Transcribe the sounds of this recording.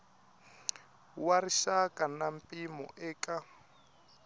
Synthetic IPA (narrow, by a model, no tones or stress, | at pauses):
wariʃakʼanampʼimɔ̰ʔɛːkʼa